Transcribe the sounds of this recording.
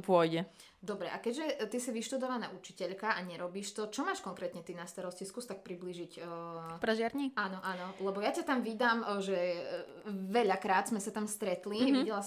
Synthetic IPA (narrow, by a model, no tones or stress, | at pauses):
pʊɔjɟɛ | d̪ɔbɾɛʔakɛɟʒɛt̪isiʋiʃt̪ud̪ɔʋanaut͡ʃi̥cɛʎkaʔaɲɛɾɔbiːʃt̪ɔt͡ʃɔmaːʃkɔŋkɾɛt̪ɲɛt̪inast̪aɾɔsciskuːst̪ak̚pɾibliːʒicːpɾɛʒɪaɾɲianɔʔanɔlɛbɔjacat̪amʋid̪amʒɛ | ʋɛʎakɾaːd̪z̥mɛsat̪amst̪ɾɛt̪liʋiɟɛla